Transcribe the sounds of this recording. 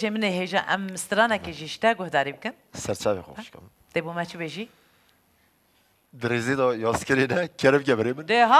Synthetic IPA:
ʒemɨneɦeːʒɑ̰ːʔɛmɨst̪ɨɾɑːnɛkeʒiʃt̪ɛɡʊhd̪ɑːɾiːbɨkɨn | sɛɾt͡ʃʰɑːvexo̰ʃkɨ̰ɾ | t̪eːbumɛt͡ʃʰɨbeʒiː | d̪ɨɾeːzeːd̪ɑjɑːzkɛɾeːnɛkɛɾɨbɡʲɛbɾeːmɨnd̪eɦɑ

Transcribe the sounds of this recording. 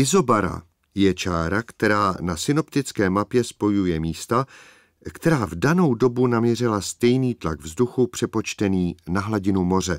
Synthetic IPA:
ʔɪzo̞baɾa̰ | jɛt͡ʃaːɾakt̪ɛɾaːnasɪno̞pt̪ɪt͡skɛːmapjɛspo̞jujɛmiːst̪a | kt̪ɛɾaːvdano̞wdo̞bunamɲɛr̝ɪlast̪ɛjniːt̪laɡvzduxupr̝̥ɛpo̞t͡ʃt̪ɛniːnaɦlaɟɪnumo̞r̝ɛ

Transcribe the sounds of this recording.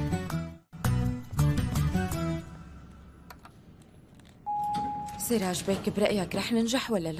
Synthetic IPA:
siːɾaʒbeːkɪbɾɑʔjakɾˤɑːħnɪnʒaħwalːal

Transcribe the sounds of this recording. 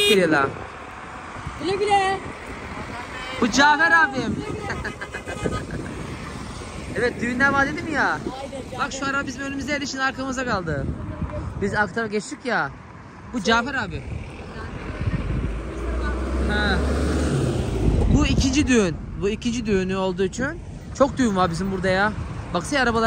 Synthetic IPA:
seɾialˠa | lebile | bud͡ʒaːfɛɾaːbim | ɛvɛt̪̚d̪ynːɛvaːd̪ed̪imjaːbakʃuaɾamabizimølʲymizd̪ɛjelʲiʃinaɾkʰamɯzakʰalˠd̪ɯ | bizakt̪ʰaɾaɟɛt͡ʃt̪ʰicja | bud͡ʒaːfɛɾaːbɪ | hɛ | buicʰind͡ʒid̪yyn | buicʰind͡ʒid̪yynyo̞lˠd̪uːit͡ʃʰyn | t͡ʃʰo̞k̚d̪yynvaɾbizimbuɾd̪ajabaksajaɾabalˠa

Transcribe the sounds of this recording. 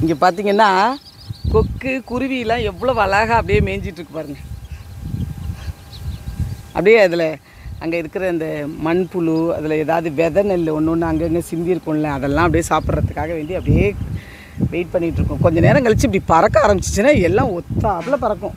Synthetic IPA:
ɪŋɡɐpaːɾt̪iːŋɡɐnːaː | kɔkːɯkʊɾɪʋijɐlːãːɛʋːɐɭoːʋɐlaːɣaːɐpːɐɽɪjeːmeːɲd͡ʒɪʈːɾɯkːɯpaːɾɯŋɡɐ | ʔɐ̰pːɐɽɪjeɐðɪlɐ | ɐ̰ŋɡɐɪɾɯkːɯɾɐɪnd̪ɐmɐɳpʊɭuɐ̰ðɪlɐɛːðaːʋɐðɯʋɛðɐnɛlːɔnːʊ̃nːɐŋɡɐŋɡɐsɪnd̪ɪɪɾɯkːʊ̃ːnlɛɐðɛlːãːɐp̬ːɐɽijeːsaːpɯɾɾɐt̪ːɯkːaːɣɐʋeːɳɖiɐpːɐɽɪjeː | ʋɛɪʈ̚pɐɳːɪʈːɾɯkːʊ̃kɔɲd͡ʒɐneːɾɐ̃ŋɡɐɭt͡ʃːɯːpɐɽipɐɾɐkːɐaːɾɐmbɪt͡ʃːɪ̥t͡ʃːɯnaːɛlːãːɔt̪ːaːɐpːɐlɐp̬ɐɾɐkːʊ̃

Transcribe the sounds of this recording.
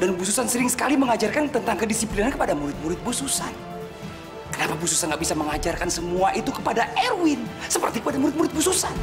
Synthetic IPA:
danbususansəɾɪŋsə̥kaliməŋad͡ʒarkant̪ənt̪aŋkədisiplinankəpadamuɾɪt̪̚muɾɪt̪̚bususan | kənapabusu̥sanɡaʔbisaməŋad͡ʒarkansəmuaʔit̪ukəpadaʔɛrwɪnsəpərt̪ikəpadamuɾɪt̪̚muɾɪt̪̚bususan

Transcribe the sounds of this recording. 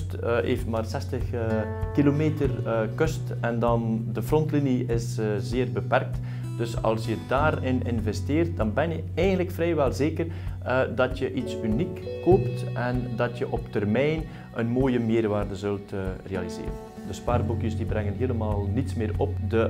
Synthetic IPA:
tʔeːftmaːrsɛstəx | kilomeːtərkɵst | ɛndɑndəfrɔntliniɪszeːrbəpɛrk̚t | d̥ɵsɑ̰lˠsjədaːɾɪnʔɪnvɛsteːrt̚d̥ɑnbɛnjə | ɛjɣəntləkfrɛjʋɛlˠzeːkər | dɑtjəʔitsynikːoːptʔɛndɑtjəʔɔptɛrmɛjn | ʔənmoːjəmeːrʋaːrdəzɵltːreɑlizḛːɾən | dəspaːrbukjəsdibrɛŋənɦeːləmaːlˠnitsmɪːrɔp̚də

